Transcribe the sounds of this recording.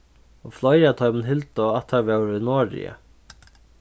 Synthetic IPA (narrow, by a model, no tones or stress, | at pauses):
ɔflɔjat̪ʰɔʏmənɦɪlt̪ɔat̪ʰavɛwɾɪnɔːɾɪ̰ə̰